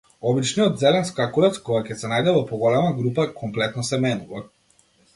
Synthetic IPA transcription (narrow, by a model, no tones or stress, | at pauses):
ɔbit͡ʃniɔt̪zɛlɛnskakulɛt̪skɔɡacɛsɛnajd̪ɛvɔpɔɡɔlɛmaɡɾupakʰɔmplɛt̪nɔsɛmɛnuva